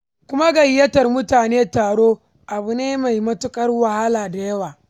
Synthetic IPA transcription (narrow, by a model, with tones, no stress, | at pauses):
kʷʊ˦ma˦ɡɐ˨jjːɐ˦tɐ˨rmʊ˦taː˨neː˦taː˨ɽoː˦ | ʔa˨bu˨neː˦ma˨jmɐ˦tʊ˦kʼɐ˦rwɐ˨ha˦laː˨da˨jɐ˦waː˨